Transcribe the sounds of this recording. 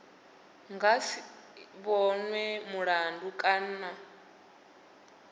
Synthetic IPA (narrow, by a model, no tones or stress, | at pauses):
ŋɡasi | βɔnwɛmuɺandukʼan̩na